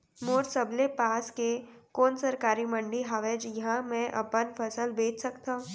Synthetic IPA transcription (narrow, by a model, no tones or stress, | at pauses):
moːɾsəblepaːskekoːnsɐɾkaːɾimə̃ɳɖiɦaːʋed͡ʒjɐɦãmɛ̃ʔɐ̰pənfʰɐsəlbeːt͡ʃʰsɐkt̪aɦũ